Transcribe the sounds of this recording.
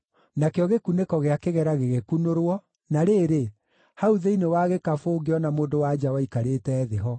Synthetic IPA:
nakejɔɣekunekɔɣeakeɣɛɾaɣeɣekunoɾwɔ | naɾeːɾe | hauðeinewaːɣekafoːɡeɔnamoːndowad͡ʒawaikaɾetɛːðeɦɔ

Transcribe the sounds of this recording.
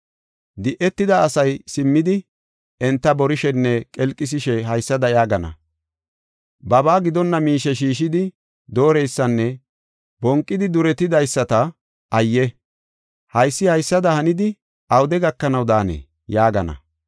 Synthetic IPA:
d̪ɪʔɛt̪ːɪd̪ɐːsɐjsɪmːɪd̪ɪ | ɛnt̪ːɐbɔɾɪʃɛnːɛkʼɛlkʼːɪs̬ɪʃɛɦɐjsːɐd̪ɐjaːɡɐnɐ̰ | bɐbaːɡɪd̪ɔnːɐmiːʃɛʃ̬iːʃɪd̪ɪ | d̪o̞ːɾɛjsːɐnːɛ | bɔŋkʼːɪd̪ɪd̪ʊɾɛt̪ːɪd̪ɐjsːɐt̪ɐ | ʔɐjːɛ | hɐjsːɪhɐjsːɐd̪ɐhɐnɪd̪ɪ | ɐwʊd̪ɛɡɐkːɐnɐwd̪aːnḛː | jaːɡɐnɐ̰

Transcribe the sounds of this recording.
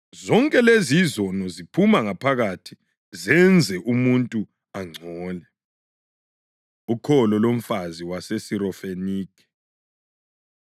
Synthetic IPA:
zɔŋkʼɛlezizɔnɔzipʰumaŋapʰaɣatʰi | zɛnd͡zʱɛʔumuntʼu | aŋ͡ǀʱɔːlɛ | ukʰɔlɔlom̩faziwasesiɾɔfeniːkʰɛ̥

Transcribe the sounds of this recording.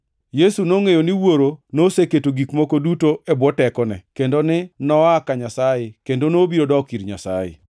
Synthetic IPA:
jesunoŋejoniwoɾonoseketoɡikmokodutoebwɔtɛkɔnɛ̰kendonɪnɔakaɲasajekendonobiɾodɔkiɾɲa̰sa̰jḛ

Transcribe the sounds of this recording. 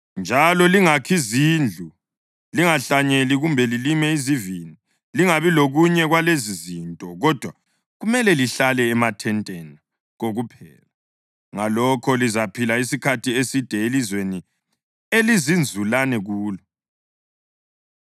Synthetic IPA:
nd͡ʒʱalɔliŋakʰiziːnd͡ɮʱu | liŋaɬaɲeliɣumbʱɛlilimɛizivini | liŋaβiloɣuɲɛɣwalezizintʼɔɣɔd̥ʱwa | ɣumɛlɛliɬalɛːmatʰɛntʼɛna | ɣoɣupʰɛːla | ŋalɔkʰɔlizapʰilais̬ikʰatʰiesid̥ʱɛelizweni | elizind͡zʱulanɛɣuːlɔ

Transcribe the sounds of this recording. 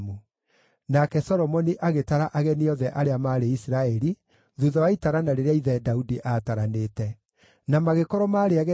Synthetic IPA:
mu | nakɛsɔɾɔmɔniʔaɣetaɾaʔaɣɛniɔðɛʔaɾeamaːɾeisiɾaɛɾi | ðuðɔwaitaɾanaɾeɾeaiðɛdaudiʔataɾanetɛ | namaɣekɔɾɔmaɾeaɣɛ

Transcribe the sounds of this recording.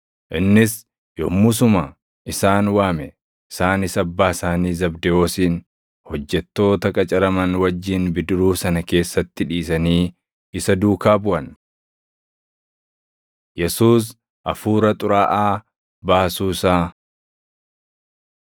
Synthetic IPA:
ʔɪnːɪs | jo̰mʊs̬ʊma | ʔɪsaːnwaːmɛ | ɪsaːnɪsɐbːaːɪsaːniːzɐbd̪ɛo̞ːsiːn | hɔd͡ʒːɛt̪ːo̞ːt̪ɐkʼɐt͡ʃʼɐɾɐmɐnwɐd͡ʒːiːnbɪd̪ʊɾuːsɐnɐke̞ːsːɐt̪ːɪᶑiːsɐniː | ɪsɐd̪uːkaːbʊʔɐn | jɛsuːs̬ | ʔɐfuːɾɐt̪ʼʊɾaːʔaː | baːsuːsaː

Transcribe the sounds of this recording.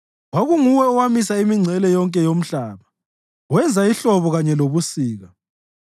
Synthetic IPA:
waɣuŋuwɛɔwamisaimiŋ͡ǀʱɛlɛjɔŋkʼɛjom̩ɬaːβa | wɛnd͡zʱaiɬɔβɔɣaɲɛloβusiːɣa

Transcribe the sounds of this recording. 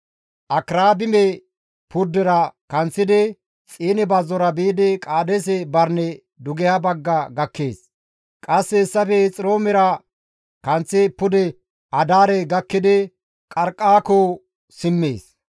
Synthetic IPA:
ʔɐkɾaːbɪmɛ | pʊd̪ːɛɾɐkɐnt͡sːɪd̪ɪ | t͡sʼiːnɛbɐzːɔɾɐbeːd̪ɪkʼaːd̪ɛs̬ɛbɐɾnɛ | d̪ʊɡɛjabɐɡːɐɡɐkːeːs | kʼɐsːɛːsːɐfɛt͡sʼɪɾoːmɛɾɐ | kɐnt͡sːɪpʊd̪ɛ | ʔɐd̪aːɾɛɡɐkːɪd̪ɪ | kʼɐɾkʼːaːkoː | sɪmːḛːs

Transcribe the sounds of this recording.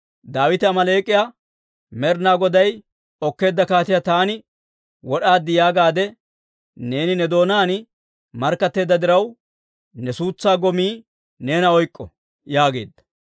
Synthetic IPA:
d̪aːwɪt̪ɐmɐleːkʼːɪja | mɛɾnaːɡɔd̪ɐj | ɔkːe̞ːd̪ːɐkaːt̪ɪjat̪aːnɪ | wɔɗaːd̪ːɪjaːɡaːd̪ɛ | ne̞ːnɪnɛd̪o̞ːnaːn | mɐɾkːɐt̪ːe̞ːd̪ːɐd̪ɪɾɐw | nɛsuːt͡sːaːɡɔmiː | ne̞ːnɐɔjkʼːɔ | jaːɡeːd̪ːɐ̥

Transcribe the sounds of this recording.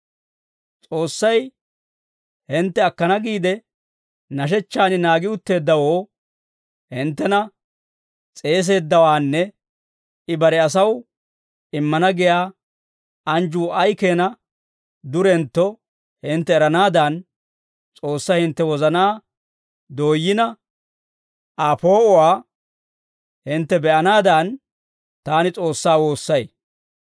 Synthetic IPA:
t͡sʼo̞ːsːɐj | hɪnt̪ːɛɐkːɐnɐɡiːd̪ɛ | nɐʃ̬ɛt͡ʃːaːnɪnaːɡɪʊt̪ːe̞ːd̪ːɐwoː | hɪnt̪ːɛnɐ | t͡sʼe̞ːs̬e̞ːd̪ːɐwaːnːɛ | ɪbɐɾɛɐs̬ɐw | ɪmːɐnɐɡɪjaː | ɐnd͡ʒuːʔɐjkeːnɐ | d̪ʊɾɛnt̪ːɔ | hɪnt̪ːɛːɾɐnaːd̪ɐn | t͡sʼo̞ːsːahɪnt̪ːɛwɔzɐnaː | d̪o̞ːjːɪnɐ | apo̞ːɔwaː | hɪnt̪ːɛbɛʔɐnaːd̪an | t̪aːnɪt͡sʼo̞ːsːaːwo̞ːsːɐj

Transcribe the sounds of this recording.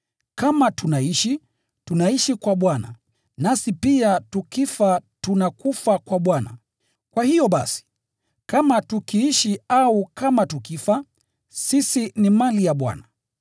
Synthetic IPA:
kamatunaiʃi | tunaiʃikwaɓwana̰ | nasipiatukifatunakufakwaɓwana̰ | kwahijɔɓa̰si̥ | kamatukiiʃiaukamatukifa | sisinimalijaɓwa̰na

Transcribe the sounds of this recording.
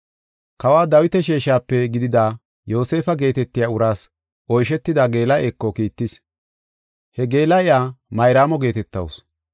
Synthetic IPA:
kɐwaːd̪ɐwɪt̪ɛʃ̬eːʃaːpːɛɡɪd̪ɪd̪aː | jo̞ːse̞ːfɐɡe̞ːt̪ɛt̪ːɪjaːʊɾaːs | ʔɔjʃɛt̪ːɪd̪aɡe̞ːlɐʔeːkːɔkiːt̪ːɪs | hɛɡe̞ːlɐɪjaːmɐjɾaːmɔɡe̞ːt̪ɛt̪ːɐ̰ws

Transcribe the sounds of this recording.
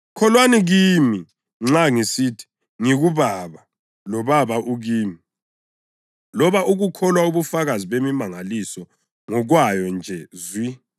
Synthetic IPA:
kʰɔlwaniɣimi | ŋ͡ǁaŋisitʰi̥ | ŋiɣuβaβa | lɔβaβaʔuɣiːmi | lɔβaʔuɣukʰɔlwauβufaɣaziβemimaŋalisɔ | ŋɔɣwajɔnd͡ʒʱɛzwi

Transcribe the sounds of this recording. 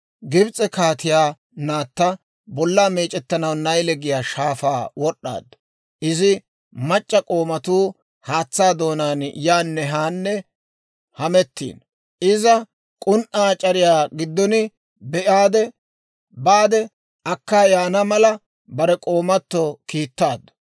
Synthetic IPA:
ɡɪbt͡sʼɛkaːt̪ɪjaː | naːt̪ːɐ | bɔlːaːmeːt͡ʃʼɛt̪ːɐnɐwnɐjlɛɡɪjaːʃaːfa̰ːwɔɗːa̰ːd̪ɐ̥ | ʔɪzɪ | mɐt͡ʃʼːɐkʼo̞ːmɐt̪uː | haːt͡sːaːd̪o̞ːnaːnjaːnːɛɦaːnːɛ | hɐmɛt̪ːḭːn | ɪzɐ | kʼʊnʔaːt͡ʃʼɐɾɪjaːɡɪd̪ːɔnɪ | bɛʔaːd̪ɛ | baːd̪ɛ | ɐkːaːjaːnɐmɐlɐ | bɐɾɛkʼo̞ːmɐt̪ːɔkiːt̪ːaːd̪ːʊ̥

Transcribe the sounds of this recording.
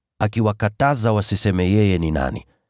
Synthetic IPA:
akiwakatazawasisɛmɛjɛjɛnina̰nḭ

